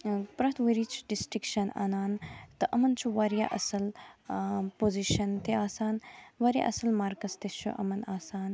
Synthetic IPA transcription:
pɾɐt̪ʰʋuɾit͡ʃʰu̥ɖisʈikʃɐna̰ːnaːnt̪ɨʔɐmɐnt͡ʃʰuʋaɾijaʔɐsɐl | poːziʃɐnt̪eaːsaːnʋɐɾʲja̰ʔɐsɐlmaːɾkɐst̪et͡ʃʰuʔɐ̰mɐnaːsaːn

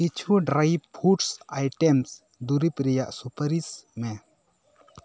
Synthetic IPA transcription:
kit͡ʃʰuɖɾajbpʰuʈsajʈems | d̪uɾipɾijaʔsupɐɾisme

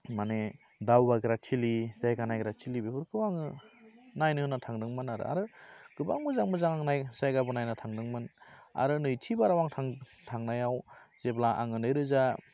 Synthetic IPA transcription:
mane | dawbaɡɯɾatʰilizajɡanajɡɾatʰilibebɯɾkʰɯwaŋɯ | najnɯɯnatʰaŋdɯŋmɯnaɾɯ̰a̰ɾɯɡ̥ɯbaŋmɯzaŋmɯzaŋaŋnajzajɡabɯnajnatʰaŋdɯŋmɯna̰ɾɯnɯjtʰibaɾawaŋtʰaŋ | tʰaŋnajawz̥eblaʔa̰ŋɯnɯjɾɯza

